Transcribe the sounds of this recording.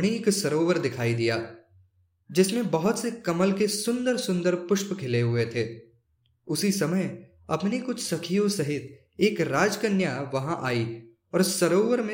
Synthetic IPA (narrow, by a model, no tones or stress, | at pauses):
ɽ̃iːksɐɾoːʋəɾd̪ɪkʰaːid̪ijaː | d͡ʒɪsmẽbɐɦʊt̪sekɐməlkesʊ̃nd̪əɾsʊ̃nd̪əɾpʊʃpkʰɪleɦʊet̪ʰeː | ʊsisɐməj | ɐ̰pnekʊt͡ʃʰsɐkʰijõsɐɦɪt̪ | eːkɾaːd͡ʒkənjaʋɐɦãʔaːi | ɔːɾsɐɾoːʋəɾmẽ